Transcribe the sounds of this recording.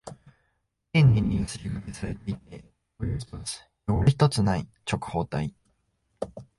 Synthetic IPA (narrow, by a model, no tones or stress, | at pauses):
ẽɲːĩɲːijasɨɾʲiɡɯkesaɾe̞t̪e̞it̪̚e̞ | oo̥ | joɾçi̥t̪o̞t͡sɨnait͡ɕo̞kɯ̟̥ho̞ːt̪ai